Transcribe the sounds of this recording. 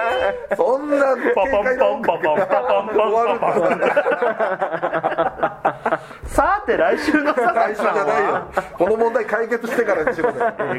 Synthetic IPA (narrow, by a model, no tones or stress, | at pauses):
sõnːaa | aɾɯ | sat̪ːe̞ɾaiɕɨːnosaiɕĩaaejoko̞nomõnd̪aikaike̞t͡sɨɕi̥t̪e̞kaɾaɲɕimas